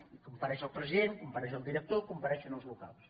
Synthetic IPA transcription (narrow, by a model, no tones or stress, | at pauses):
ikumpəɾɛʃəlˠpɾəziðeŋkumpəɾɛʃəlˠd̪iɾək̚t̪okumpaɾɛʃunəlˠzluka̰lˠs